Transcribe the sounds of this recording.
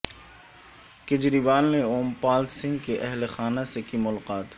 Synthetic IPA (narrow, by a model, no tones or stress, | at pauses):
kɪd͡ʒɾibaːlneoːmpaːlsɪ̃ŋɡkeʔɛɦlexaːnasekimʊlqaːt̪